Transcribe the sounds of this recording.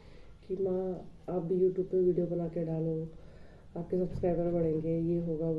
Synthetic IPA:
kimãaːp̚bʱijuːʈjuːbpeʋiːɖijobɐnaːkeɖaːlõ | aːp̚kesɐbskɾaːbkəɾbɐɽẽːŋɡejeːɦoːɡaː

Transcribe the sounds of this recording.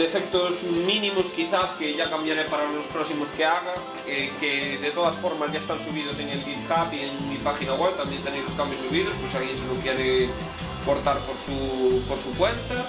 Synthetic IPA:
d̪efɛk̚t̪ozmĩnĩmoskiθaskeʝakambjaɾepaɾalospɾɔsimoskeaɣa | ekeðet̪oð̞asfoɾmazʝaest̪aŋsuβiðoseŋelβit̪kapieŋmipaxinaɣweβt̪ambjent̪eɾejloskambjosuβiðosposialɣjensenokjɛɾe | koɾt̪aɾpoɾsupoɾsukwent̪a

